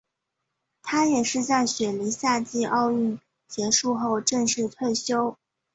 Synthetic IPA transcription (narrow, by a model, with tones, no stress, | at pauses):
t̪ʰa˥jɛ˨˩ʂɻ̩˥˧t͡sa˥˩ɪɕɥɛ˨˩li˧˥ɕja˥˧t͡ɕi˥˧ʔɑ˥˧ʊy˥˩n | t͡ɕjɛ˧˥ʂu˥˧xo˥˧ʊʈ͡ʂə˥˧ŋʂɻ̩˥˧t̪ʰwe˥˩ɪɕjo˥ʊ